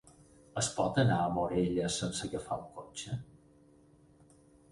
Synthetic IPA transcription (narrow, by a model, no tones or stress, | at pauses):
əspɔt̪ənaəmoɾeʎəsənsəɣəfa̰uŋkot͡ʃə